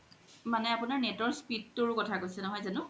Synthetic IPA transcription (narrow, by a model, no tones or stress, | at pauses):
manɛapʊnaɹnɛtɔɹspit̚ːʊɹʊkɔtʰakojsɛnɔɦɔjzanʊ